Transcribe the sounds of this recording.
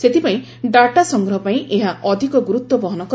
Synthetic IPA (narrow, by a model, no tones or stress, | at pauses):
set̪ipaĩ | ɖaʈasɔŋɡɾɔɦɔpaĩʔeɦaʔɔd̪ʱikɔɡuɾut̪wɔbɔɦɔnɔk